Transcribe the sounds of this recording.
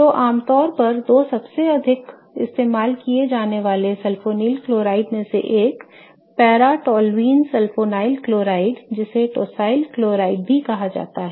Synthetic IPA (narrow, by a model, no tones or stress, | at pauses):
t̪oːʔaːmt̪ɔːɾpɐɾd̪oːsɐbseɐd̪ʱɪk | ɪ̰st̪eːmaːlkied͡ʒaːneʋaːlesɐlfoːniːlkloːɾaːɪɖmẽsḛʔeːk | pɛːɾaʈɔːlʋiːnsɛlfoːnaːɪlkloːɾaːɪɖd͡ʒɪseʈoːsaːɪlkloːɾaːɪɖ̚bʱikɐɦad͡ʒa̰ːt̪aɦɛː